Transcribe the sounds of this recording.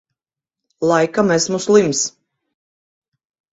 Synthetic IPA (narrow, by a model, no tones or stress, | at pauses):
lˠajkamesmuslˠims